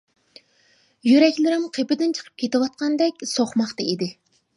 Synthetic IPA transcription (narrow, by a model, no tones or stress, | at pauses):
jyɾɛkʲlɪɾɪmqʰepɪd̪ɪnt͡ʃʰə̥qʰə̥p̚kʲʰet̪ɪwɑt̪̚qʰɑnd̪ɛkʲsoχmɑχt̪ɑid̪ɪ